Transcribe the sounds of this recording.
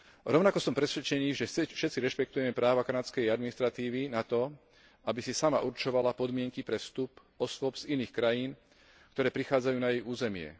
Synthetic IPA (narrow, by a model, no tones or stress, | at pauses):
ɾɔʊnakɔsɔmpɾɛsʋɛt͡ʃɛniːʒɛfʃɛt̪t͡siɾɛʃpɛkt̪ujɛmɛpɾaːʋakanat͡skɛjad̪minist̪ɾat̪iːʋinat̪ɔ | abisisama̰ʔuɾt͡ʃɔʋalapɔd̪mɪɛŋkipɾɛfst̪up | ɔsʋʊɔbz̥iniːxkɾajiːn | kt̪ɔɾɛːpɾixaːd͡zajuːnajɛjuːzɛmɪɛ̰